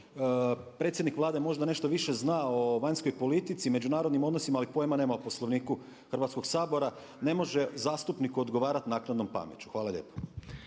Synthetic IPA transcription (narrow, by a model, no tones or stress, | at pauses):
pɾe̞t̪sʲjed̪nikʋlˠaːd̪e̞mo̞ʒd̪ane̞ʃt̪o̞ʋiʃe̞znao̞ʋaɲsko̞jpo̞lit̪it̪sime̞d͡ʑunaːɾod̪nimo̞d̪no̞simaːlipo̞jemanemapo̞slˠo̞ʋniːku | xr̩ʋat̪sko̞ɡsaːbo̞ɾa | ne̞mo̞ʒe̞zaːst̪upnikuo̞d̪ɡoʋaːɾat̪naːknad̪no̞mpa̰mjet͡ɕu̥xʋaːlaljḛpo̥